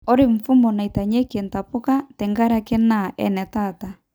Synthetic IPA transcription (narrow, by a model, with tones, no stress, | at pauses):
ɔ˦ɾɪ˦˨ɱ̩˨fu˦mɔ˨na˨i˨ta˨ɲɛ˦ke˨nta˨pʊ˦ka˦tɛ˨ŋɡa˦ɾa˦kɛ˦naʔɛ̰˨nɛ˨ta˨ta˨